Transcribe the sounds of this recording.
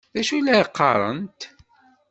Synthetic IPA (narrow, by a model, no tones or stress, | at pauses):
ðæʃulæqːɑ̰ɾˤə̰nt̪